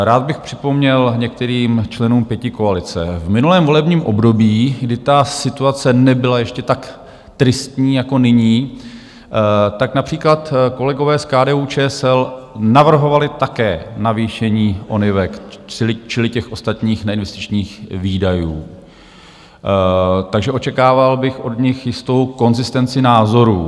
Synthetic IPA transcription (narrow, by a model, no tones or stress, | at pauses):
ɾaːd̪̚bɪxpr̝̥ɪ̥po̞mɲɛlɲɛk̚t̪ɛɾiːmt͡ʃlɛnuːmpjɛcɪko̞alɪt͡sɛ̰vmɪnulɛːmvo̞lɛbɲiːmʔo̞bdo̞biːɡdɪt̪asɪt̪uat͡sɛnɛbɪlajɛʃcɛt̪ak | t̪ɾɪst̪ɲiːjako̞nɪɲiː | t̪aknapr̝̥iːklat̪ko̞lɛɡo̞vɛːskaːdɛːuːt͡ʃɛːsɛlnavr̩ɦo̞valɪt̪akɛːnaviːʃɛɲiːʔo̞nɪvɛkt͡ʃɪlɪt͡ʃɪlɪcɛxʔo̞st̪at̪ɲiːxnɛɪnvɛst̪ɪt͡ʃɲiːxviːdajuː | t̪aɡʒɛʔo̞t͡ʃɛkaːvalbɪxʔo̞dɲɪxjɪst̪o̞wko̞nzɪst̪ɛnt͡sɪnaːzo̞ɾṵː